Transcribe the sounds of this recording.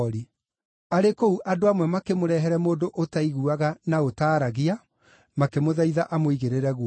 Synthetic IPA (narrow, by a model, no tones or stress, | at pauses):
ɾi | aɾekouʔadoamwɛmakemoɾɛɦɛɾɛmoːdoʔotaiɣuaɣanaotaːɾaɣia | makemoðaiðaʔamoiɣeɾeɾɛɣu